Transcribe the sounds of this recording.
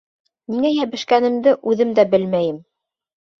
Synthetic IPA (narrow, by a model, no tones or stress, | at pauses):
niŋæjæβɘ̆ʃkænɘ̆md̪ɘʔʉðɘmd̪æbɘlmæjɘm